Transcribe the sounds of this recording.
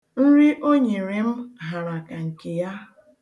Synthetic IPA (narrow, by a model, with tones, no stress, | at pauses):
n̩˦ɾi˦ʔo˦ɲe˨ɾe˨m̩˦ɦa˨ɾa˨ka˨ŋ̩˨ke˨ja˦